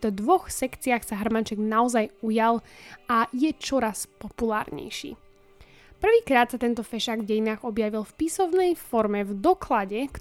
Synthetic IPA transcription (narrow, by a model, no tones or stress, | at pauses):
t̪ɔd̪ʋɔxsɛkt͡siaxsaɦr̩mant͡ʃɛɡnaɔzajujalajɛt͡ʃɔɾaspɔpula̰ːɾɲɛ̰jʃḭː | pr̩ʋiːkɾaːt̪sat̪ɛnt̪ɔfɛʃaːɡvɟɛjinaːɣɔbjaʋilfpisɔʊnɛjfɔɾmɛvd̪ɔklaɟɛk